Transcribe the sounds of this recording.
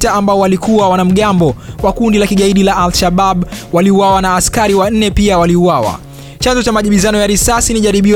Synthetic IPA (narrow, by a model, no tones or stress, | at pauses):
taambaɔwalikuwawanam̩ɠambɔwakundilakiɠaiɗilaʔalʃaɓaɓwaliuwawanaːskaɾiwan̩nɛpiawaliuwawa̰ | t͡ʃanzɔt͡ʃamaʄiɓizanɔjaɾisasiniʄaɾiɓi